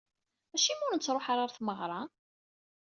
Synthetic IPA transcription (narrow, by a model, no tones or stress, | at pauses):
æʃimʊɾnt͡sːɾˤoħaɾˤaɾθməʁɾˤɑ